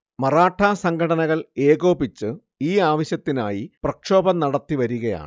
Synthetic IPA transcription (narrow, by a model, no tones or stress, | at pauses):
mɐraːʈʰːaːsɐŋɡʰʱɐɽɐnɐɣɐɭe̞ːɣo̞ːbit͡ɕːɨ | iːaːʋɐɕjɐt̪ːina̰ːjiprɐkʂo̞ːbɐnɐɽɐt̪ːiʋɐɾuɣɐja̰ːɳ